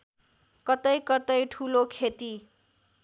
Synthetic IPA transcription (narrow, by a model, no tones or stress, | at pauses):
kʌt̪ʌjkʌt̪ʌjʈʰulokʰet̪i